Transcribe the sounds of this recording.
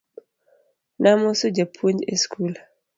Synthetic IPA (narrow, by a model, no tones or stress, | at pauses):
namosod͡ʒapʰund͡ʒeskʰul